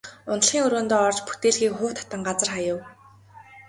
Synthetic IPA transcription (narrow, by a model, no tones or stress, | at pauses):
ʊn̆ɮχiːŋɵɾoːnt̪oːɔrt͡ɕput̪eːɮxiːkχʊːt̪ʰḁt̪ə̆ŋɢat͡sə̆rχajə̆w